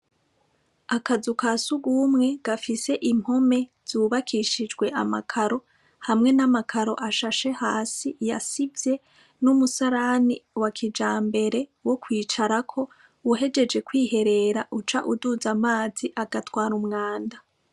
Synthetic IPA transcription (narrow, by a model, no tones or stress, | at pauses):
akazukasuɡumŋe̞ɡ̥afise̞ʔim̥ho̞me̞ | z̥uβakʰiʃid͡ʒɡwe̞ʔamakʰaɾo̞ | hamŋe̞namakʰaɾo̞̰ʔaʃaʃe̞haːsija̰sivje̞ | numusaɾaniwakʰid͡ʒaːmbe̞ɾe̞wo̞kwiːt͡ʃaɾakʰo̞ | wuɦe̞d͡ʒe̞d͡ʒe̞kwiːhe̞ɾe̞ɾaʔut͡ʃaʔudud͡zamaːziʔaɡatwaːɾumŋaːnda